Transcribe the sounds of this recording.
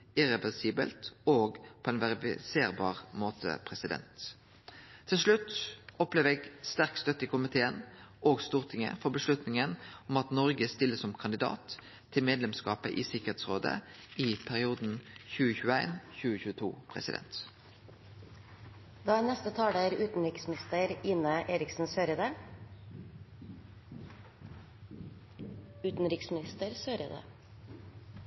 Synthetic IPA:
ɪʁɛʋɛʁsiːbə̰lt̪oːɡpʰoːɛɪnʋæʁɪfɪ̰seːʁbɑːʁmoːt̪ʰə̰pʰʁɛsɪd̪ɛ̰nt̪ʰ | ɪlʂlʉt̪ːɔpleːʋəɛɡst̪æʁkst̪œt̪ːəɪkʊmɪt̪ʰeːənʔoːɡst̪uːʁt̪ʰɪŋə̰fɔʁbəʂlʉt̪nɪŋənʊmɑt̪nɔʁɡəst̪ɪlːəsɔmkʰɑnd̪ɪd̪ɑ̰ːt̪ʰː | ɪlmeːd̪lɛmskɑ̰ːpəʔɪsɪkəʁheːt̪sʁoːd̪ə̰ | ipʰæʁɪuːd̪n̩çʉːəçʉːəæɪnçʉːəçʉːət̪ʰṵːpʰʁɛ̰sɪ̰d̪ɛ̰nt̪ | d̪̥ɑːnɛst̪ət̪ʰɑːɽæɾʉːt̪n̩ɾɪksɪst̪əɾɪːnəʔeːɾɪksn̩søːɾəd̪ə | ʉːt̪n̩ɾɪksmɪnɪst̪əɾsøːɾəd̪ə̰

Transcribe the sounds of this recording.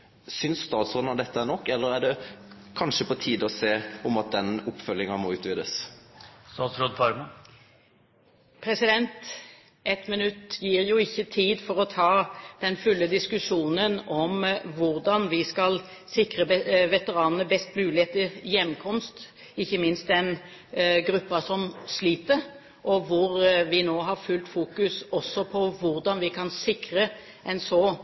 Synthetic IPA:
sʏnsst̪ɑːt̪sɔɾɑd̪ɛt̪ːəæɳɔkːɛlːəɾæɖɛ | kʰɑnʂəpʰɔt̪ʰiːd̪ɔseːɔmɑt̪̚d̪ɛnʊpːfœlːɪŋɑmɔːʉːt̪ʋɪd̪əs | st̪ɑːt̪sɾod̪pʰɑɾmɑ | pʰɾɛsɪd̪ɛnt̪ | ʔɛt̪mɪnʉt̪ːjiːʁjʊːɪçːət̪ʰiːd̪fɔɾɔt̪ʰɑːd̪̥ɛnfʉlːəd̪ɪskʉʂuːnənɔmʋʊɾd̪ɑnʋɪskɑl | sɪkɾəʋɛt̪əɾɑːnnəbɛst̪mʉːlɪheːt̪əjɛmːkʰɔmst̪ | ɪçːəmɪnst̪̚d̪ɛn | ɡɾʉpːɑsɔmsliːt̪əɾ | ʔɔʋʊɾʋɪnoːɦɑɾfʉlt̪fuːkʉsɔsːɔpʰɔʋʊɾd̪ɑnʋɪkʰɑnsɪkɾə | ʔɛnsɔ

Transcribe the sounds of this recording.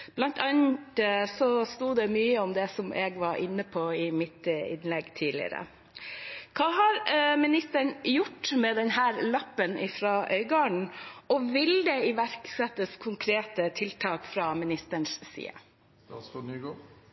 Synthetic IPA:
b̥lɑnt̪ʰɑnd̪əsɔst̪uːd̪ɛmyːəɔmd̪ɛsɔmʔɛɡʋɑɾʔɪ̰nːəpʰɔɪmɪt̪ɪ̰nlɛɡːt̪ʰiːlɪ̰ə̰ɾə̰ | kʰɑːɦɑɾmɪnɪst̪əɳjʊʈːmɛd̪ɛnɦæːɾlɑpːənʔɪfɾɑːʔœʏɡɑːɳɳ̩ɔʋɪld̪ɛɪʋæɾksɛt̪ːəskʰʊŋkʰɾeːt̪ət̪ʰɪlt̪ʰɑːkfɾɑːmɪnɪst̪əɳssḭːə̰ | sɔnyːɡoː

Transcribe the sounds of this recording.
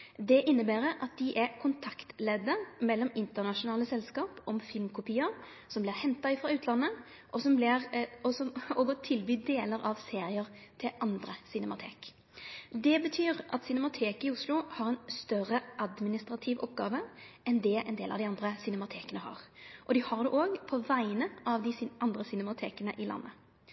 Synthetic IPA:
d̪ɛʔɪnːəbæːɾəʔɑt̪̚d̪ɪʔɛkʰʊnt̪ʰɑkt̪lɛd̪əmɛlːɔmɪnt̪əʁnɑʃʊnɑːləsɛlskɑːpɔmfɪlmkʰʊpiːəɾ | sɔmblɪʁhɛnt̪ɑɪfɾʁɑʉːt̪ʰlɑnːə | ʔɔsɔmblɪʁɔsɔɔɡɔt̪ʰɪlbyːd̪eːləɾɑʋseːɾɪəɾt̪ʰɪlʔɑnd̪ɾəsɪnɛmɑt̪ʰḛːk | d̪ɛbət̪ʰyːʁʔɑt̪sɪnɛmɑt̪ʰeːkɪʊslʊhɑʁɛnst̪œʁəʔɑd̪mɪnɪst̪ʁɑt̪ʰɪʋʔɔ̰pɡɑ̰ːʋəɛnd̪ɛʔɛ̰nd̪eːlɑ̰ʋd̪ɪɑnd̪ʁəsɪnɛmɑt̪ʰeːkənəhɑ̰ʁʔɔd̪ɪhɑʁd̪ɛʔoːɡpʰɔʋæɪnəʔɑʋd̪ɪʔɑnd̪ʁəsɪnɛmɑt̪ʰḛːkənəʔɪlɑ̰nːʔə

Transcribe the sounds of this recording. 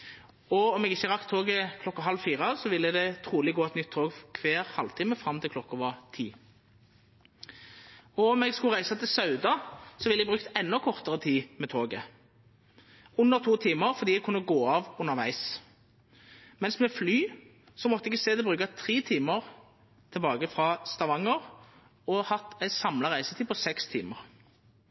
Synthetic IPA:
ɔɔmɛɡɪçəʁɑkt̪ʰːoːɡəkʰlɔkːɑɦɑlʋfiːʁəsɔʋɪlːəd̪ɛt̪ʰʁuːlɪɡoːɛt̪nʏt̪ʰːoːɡkʰʋeːʁhɑlt̪ʰiːməfʁɑmt̪ʰɪlkʰlɔkːəʋɑt̪ʰḭː | ɔɔmɛɡskʉʁæɪsɑt̪ʰɪlsɑʉd̪ɑsɔʋɪlːɛɡbʁʉːkt̪ɛnːɔkʰɔʁt̪əʁət̪ʰiːmɛt̪ʰoːɡə | ʊnːəʁt̪ʰuːt̪ʰiːməʁfɔʁd̪iːɛɡ̚kʰʊnːəɡoːɑːʋʉnːəʁʋæɪs | mɛnsmɛflyː | sɔmɔt̪ːəɛɡseːd̪ɛbʁʉːkɑt̪ʰʁiːt̪ʰiːməʁ | t̪ʰɛlbɑːɡəfʁɑst̪ɑʋɑŋəʁ | ɔhɑt̪ːæɪsɑmlɑʁæɪsət̪ʰiːpɔsɛkst̪ʰiːməʁ

